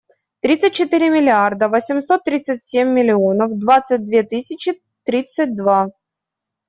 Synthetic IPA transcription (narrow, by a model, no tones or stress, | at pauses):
t̪ɾʲit̪sɨtʲt͡ɕːɪt̪ɨɾʲɪmʲɪlʲɪard̪əvəsʲɪmso̞t̪ːɾʲit̪sɨt̚ʲsʲemʲːɪlʲɪonəfd̪vat̪sɨt̚ʲd̪vʲet̪ɨsʲɪt͡ɕɪ | t̪ɾʲit̪sɨt̚ʲd̪va